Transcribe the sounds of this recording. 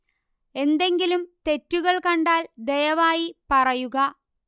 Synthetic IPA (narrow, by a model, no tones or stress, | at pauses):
e̞nd̪e̞ŋɡilumt̪e̞tːuɣɐɭkɐɳɖaːld̪e̞jɐʋaːjipɐrɐjuɣɐ